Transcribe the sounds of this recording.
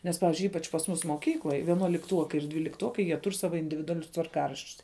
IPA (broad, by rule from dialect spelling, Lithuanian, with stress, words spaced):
nʲɛs ˈpɑːʋʲɪzʲd͡ʒʲʊɪ ˈiːpɐt͡ʃ pɐs ˈmʊs moːˈkʲiːklˠoːj ʋʲiɛnuɔlʲɪkˈtuɔkɐɪ ɪr dʲʋʲiːlʲɪkˈtuɔkɐɪ jiɛ ˈtʊr ˈsɑːʋɐ ɪnʲdʲɪʋʲɪdʊɐˈlʲʊs tʋɐrˈkɑːrɐʃʲt͡ʃʲʊs